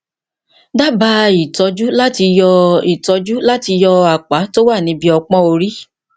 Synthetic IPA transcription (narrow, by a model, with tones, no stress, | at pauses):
da˦ba˧˦i˨tɔ˨˧˦d͡ʒu˦la˦ti˧jɔ˧i˨tɔ˨˧d͡ʒu˦la˦ti˧jɔ˧a˨k͡pa˨˦to˦wa˦˨nĩ˨˦bi˦ɔ˧k͡pɔ̃˦o˧ɾi˦